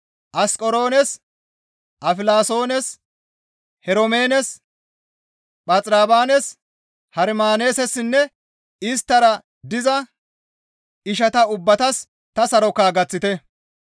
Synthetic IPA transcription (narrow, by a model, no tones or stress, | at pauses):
ʔɐskʼɔɾo̞ːnɛs | ʔɐfɪlaːso̞ːnɛs | hɛɾɔmeːnɛs | ɓʼɐt͡sʼɾaːbaːnɛs | hɐɾmaːne̞ːsɛsɪnːɛ | ɪst̪ːɐɾɐ | d̪ɪzɐ | ɪʃ̬ɐt̪ɐʊbːɐt̪ɐs | t̪ɐsɐɾɔkaːɡɐt͡sːɪt̪ɛ